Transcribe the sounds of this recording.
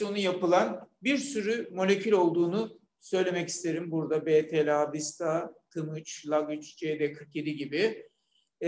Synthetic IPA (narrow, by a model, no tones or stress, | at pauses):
onujapɯlˠanbiɾsyɾymo̞lʲe̞cʰylʲo̞lˠd̪uːnu | sø̞jlʲe̞mɛci̥st̪ʰe̞ɾimbuɾd̪abet̪ʰelʲabist̪ʰat̪ʰɯmɯt͡ʃlˠaɡɯt͡ʃd͡ʒed̪ɛkʰɯkje̞d̪iɟibɪ